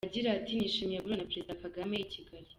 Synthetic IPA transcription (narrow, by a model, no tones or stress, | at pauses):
aɟiɾatiniʃimijeɡuɾonapɾe̞zidakaɡamejicʰiɡaɾi